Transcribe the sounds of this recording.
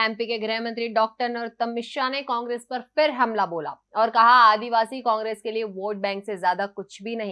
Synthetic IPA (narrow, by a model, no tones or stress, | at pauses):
ɛːmpikeɡɾɛːɦmɐ̃nt̪ɾiɖɔːk̚ʈəɾneɔːɾt̪ːɐmːɪʃanekɔ̃ːŋɡɾeːspɐɾfɪɾɦɐmlaboːla̰ː | ɔːɾkɐɦaaːd̪iʋaːsikɔ̃ːŋɡɾeːskelieʋoːʈ̚bɛ̃ːŋksezjaːd̪akʊt͡ʃʰbʱinɐɦĩ